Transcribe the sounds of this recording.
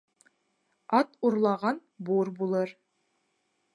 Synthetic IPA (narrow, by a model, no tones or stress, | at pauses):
ɑt̪uɾlˠɑʁɑnbuɾbulˠɤɾ